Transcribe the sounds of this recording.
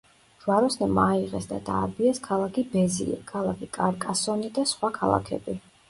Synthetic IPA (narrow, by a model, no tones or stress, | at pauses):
ʒ̥waɾɔsnɛmaiʁɛsd̪a̰d̪a̰ːbiɛskʰalˠakʰibɛzḭɛ̰kʰalˠakʰikʼaɾkʼasɔnid̪asχwakʰalˠa̰kʰɛ̰bi